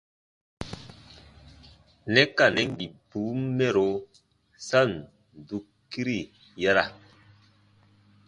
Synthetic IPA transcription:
nɛ˦ka˨nɛ˦ŋɡi˨bu˨˦mmɛ˦˨ɾo˨˦ | sa˦˨n | n˨du˨kː | i˦ɾi˦˨ | ja˦ɾa̰˨

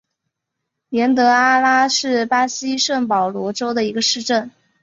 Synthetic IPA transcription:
ljɛ˧˥nt̪ɤ˧˥a˥la˥ʂɻ̩˥˩pa˥ɕi˥ʂə˥˩ŋpɑ˨˩ʊlwɔ˧˥ʈ͡ʂo˥ʊd̪ə˨i˧˥ɡə˧ʂɻ̩˥˧ʈ͡ʂə˥˩n

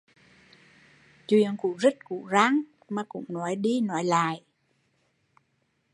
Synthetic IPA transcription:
t͡ɕwḭ˧˨əŋkṵ˧˥zə˦˥t̚kṵ˧˩˥za˨˦ŋ | maː˨˩kʊ̰˧˥ŋ͡mnɔ˨˦jɗi˧nɔ˨˦jla̰ː˧˨jʔ

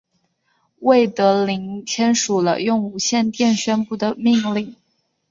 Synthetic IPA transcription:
we˥˩ɪt̪ɤ˧˥li˧˥ŋt̪ʰjɛ˥nʂu˨˩lə̰˦jʊ˥˩ŋu˨˩ɕjɛ˥˧nt̪jɛ˥˧nɕɥɛ˥npu˥˩d̪ə˩mi˥˧ŋli˥˩ŋ

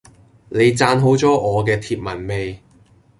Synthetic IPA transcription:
ne˨˧jt͡saː˧nɦo˨˥wt͡sɔː˨˥ʔɔː˨˧kɛː˧t̪ʰiː˧p̚mɐ˨˩nme˨˧j

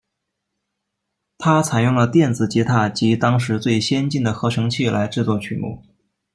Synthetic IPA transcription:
t̪ʰa˥t͡sʰa˨˩ɪjʊ˥˩ŋlə˩t̪jɛ˥˩nd͡zɹ̩˩t͡ɕi˧˥t̪ʰa˥˩t͡ɕi˧˥t̪ɑ˥ŋʂɻ̩˧˥t͡swe˥˩ɪɕjɛ˥nt͡ɕi˥˩nd̪ə˩xɤ˧˥ʈ͡ʂʰɤ˧˥ŋt͡ɕʰi˥˩lʔa˧˥ɪʈ͡ʂɻ̩˥˧t͡swɔ˥˩t͡ɕʰy˨˩mṵ˥˩

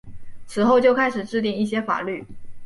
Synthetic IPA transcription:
t͡sʰɹ̩˨˩xo˥˧ʊt͡ɕjo˥˧ʊkʰa˥ɪʂɻ̩˨˩ʈ͡ʂɻ̩˥˧t̪̬i˥˧ŋi˥˩ɕjɛ˥fa̰˨˩ly˥˩

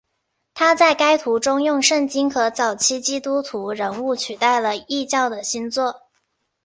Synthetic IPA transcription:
t̪ʰa˥t͡sa˥˩ɪka˥ɪt̪ʰu˧˥ʈ͡ʂʊ˥ŋjʊ˥˧ŋʂə˥˩ŋt͡ɕi˥nkʰɤ˧˥t͡sɑ˨˩ʊt͡ɕʰi˥t͡ɕi˥t̪u˥t̪ʰu˧˥ɻə˧˥nu˥˩t͡ɕʰy˨˩t̪a˥˩ɪlə˩i˥˧t͡ɕjɑ˥˩ʊd̪ə˩ɕi˥nt͡swɔ˥˩

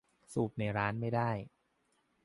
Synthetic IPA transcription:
suː˨˩p̚na˧˩jɾaː˦˥nma˥˩jdaː˥˩j

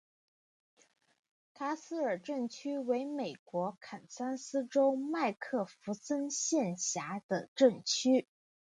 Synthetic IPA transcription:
t̪ʰa˥sɹ̩˥ə˞˨˩ʈ͡ʂə˥˩ŋt͡ɕʰy˥we˧˥ɪme˨˩ɪkwɔ˧˥kʰa˨˩nsa˥nsɹ̩˥ʈ͡ʂo˥ʊma˥˧ɪkʰɤ˥˩fu˧˥sə˥nɕjɛ˥˩nɕja˧˥d̪̥ə˧ʈ͡ʂɤ˥˩ŋt͡ɕʰy˥

